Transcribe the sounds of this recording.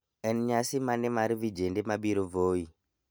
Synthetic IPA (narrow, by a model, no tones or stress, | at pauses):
ɛnɲasimanɛmaɾivid͡ʒɛndɛmaɓiɾɔvoi